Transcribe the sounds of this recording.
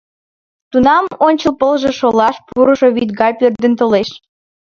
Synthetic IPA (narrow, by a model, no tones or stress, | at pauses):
t̪unɑmonʲt͡ɕəlpəlʒeʃolɑʃpuɾəʃoβit̪ɡɑpørd̪ə̆nt̪oleʃ